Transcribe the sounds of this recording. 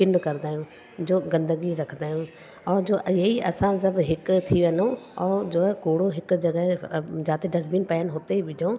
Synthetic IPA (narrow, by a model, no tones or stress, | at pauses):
kɪɳɖkɐɾd̪aːijũ | d͡ʑoːɡɐ̃nd̪əɡiɾɐkʰənd̪aːɦjũ | ɔːɾd͡ʒoːʔɪɦiɐsãsɐbɦɪkt̪ʰiʋɐnõɔːd͡ʑoːkoːɽoɦɪkd͡ʒɐɡəɦd͡ʒaːt̪eɖɐzbinpɛːənɦoːt̪eʋɪd͡ʒʱõː